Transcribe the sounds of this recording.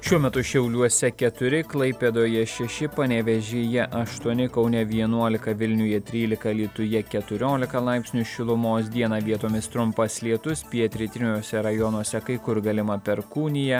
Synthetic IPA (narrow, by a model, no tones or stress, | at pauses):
ʃʲuɔmʲɛt̪ʊʃʲɛʊlʲuɔssʲɛkʲɛt̪ʊɾʲɪklˠɐɪpʲeːd̪oːjɛʃʲɛʃʲɪpɐnʲɛʋʲɛʒʲeːjɛʔɐʃt̪uɔnʲɪkɐʊnʲɛʋʲiɛnuɔlʲɪkɐʋʲɪlʲnʲʊjɛt̪ʲɾʲiːlʲɪkɐlʲiːt̪ʊjɛkʲɛt̪ʊɾʲoːlʲɪkɐlˠɑɪpʲsʲnʲʊʃʲɪlˠʊmoːsd̪ʲiɛnɑʋʲiɛt̪oːmʲɪst̪ɾʊmpɐslʲiɛt̪ʊspʲiɛt̪ʲɾʲɪt̪ʲɾʲɪnʲoːsʲɛɾɐjɔnuɔsʲɛkɐɪkʊɾɡɐlʲɪmɐpʲɛɾkuːnʲɪjɛ